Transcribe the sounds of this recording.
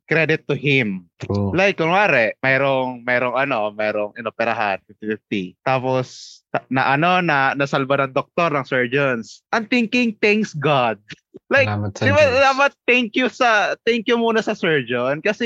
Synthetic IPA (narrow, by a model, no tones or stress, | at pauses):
kɾɛd̪ɪt̪ːʊhɪmlajkːʊŋaːɾɛʔmɛːɾoŋmɛɾoŋɐno̞mɛːɾoŋʔɐnopɛɾɐɦanfɪft̪ɪfɪft̪it̪aːpost̪anɐʔɐno̞nɐnɐsɐlbanɐŋd̪ok̚t̪oɾnɐŋsɛɹd͡ʒonsʔɐnt̪ɪŋkɪŋt̪ɛŋksɡad̪̚ | lajdɪbad̪aːpɐt̪̚ːɛŋkjʊsɐt̪ɛŋkjʊmuːnɐsɐsɛɹd͡ʒonkɐsɛ